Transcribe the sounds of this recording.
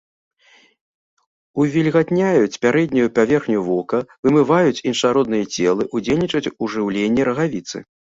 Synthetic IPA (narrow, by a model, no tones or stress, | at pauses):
uvʲilʲɣat̪ʲnʲajut͡sʲpʲaɾɛd̪ʲnʲujupavʲɛrxnʲuvɔkɐvɨmɨvajut͡sʲinʂaɾɔd̪nɨjɐt͡sʲɛlˠɨʔud͡zʲelʲnʲit͡ʂɐt͡sʲuʐɨwlʲenʲːɛɾɐɣavʲit̪sɨ̰